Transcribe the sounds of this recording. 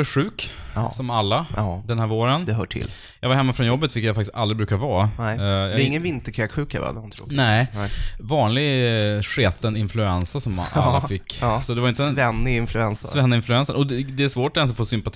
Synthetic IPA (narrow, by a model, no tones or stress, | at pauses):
ɧʉ̟ːksɔmalːad̪ɛnhæːɾvoːɾənd̪ɛɦœːʈʰɪ̰l | jɑːɡvaɾhɛmːafɾɔnjɔbːət̪fɪkːjafakt̪ɪst̪alɾɪbɾʉːkavɑːjɑɾɪŋːənvɪnt̪əkʰɾɛkɧʉ̟ːkɛba̰ɾd̪ɛoːnɛɪvɑːnlɪɡɧeːt̪ənɪnflɵɛnsasɔma̰lafɪkːsɔd̪ɛvaɾɪnt̪əɛnːɪɪnflɵɛnssvɛnːɪɪnflɵɛnsənʔɔd̪ɛæʂvoːʈɛnsɔfoːsʏmpat̪ʰ